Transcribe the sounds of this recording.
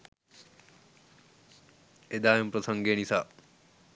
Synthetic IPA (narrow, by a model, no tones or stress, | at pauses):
ed̪aːjumpɾəsɐŋɡeːnisaː